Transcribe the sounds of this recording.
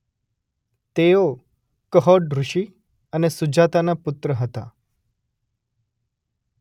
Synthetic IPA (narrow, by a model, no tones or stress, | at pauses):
t̪eo | kəɦɔɽɾʊʃi | ənesʊd͡ʒat̪anapʊt̪ɾəɦət̪a̰